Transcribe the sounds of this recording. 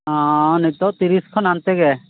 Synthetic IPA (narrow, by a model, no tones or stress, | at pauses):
ɔ̃nit̪ɔt̪iɾiskʰɔnant̪ɛɡɛ